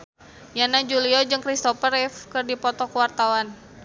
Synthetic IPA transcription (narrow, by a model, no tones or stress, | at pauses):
janad͡ʒuliɔd͡ʒɨŋkɾist̪ɔfərɛfkɨrdipɔt̪ɔkəwart̪awan